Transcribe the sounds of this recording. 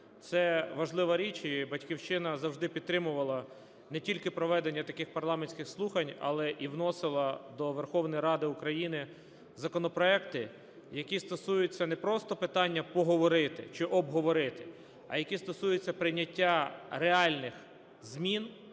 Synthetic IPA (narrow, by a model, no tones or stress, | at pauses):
t̪sɛʋɐʒlˠɪʋɐɾʲit͡ʃibɐtʲkʲiwt͡ʃɪnɐzɐwʒd̪ɪpʲid̪t̪ːɾɪmʊʋɐlˠɐ | nɛtʲilʲkɪpɾɔʋɛd̪e̞nʲːɐt̪ɐkɪxpɐrlˠɑmenʲsʲkʲɪxslˠuxɐnʲɐ̰lˠɛʔiwnɔsɪlˠɐd̪ɔʋerxɔwnɔjɾɑd̪ɪukɾɐjinɪ | zɐkɔnɔpɾɔɛkt̪ɪ | jɐkʲist̪ɔsujʊt͡sʲːɐnɛpɾɔst̪ɔpɪt̪ɑnʲːɐpɔɦɔʋɔɾɪt̪ɪ̰t͡ʃɪʔɔbɦɔʋɔɾɪt̪ɪ | ɐ̰jɐkʲist̪ɔsujʊt͡sʲːɐpɾɪnʲːɐtʲːaɾeɑlʲnɪx | zmʲin